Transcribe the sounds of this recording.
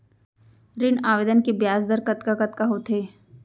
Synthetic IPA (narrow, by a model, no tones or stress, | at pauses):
ɾɪnaːʋeːd̪ənkebjaːsd̪əɾkɐt̪kakɐt̪kaɦoːt̪ʰɦeː